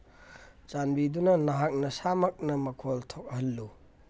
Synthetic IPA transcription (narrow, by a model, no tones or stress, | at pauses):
t͡ʃanbidunɐnɐɦak̚nɐsamɐk̚nɐmɐkʰoltʰok̚hɐlːu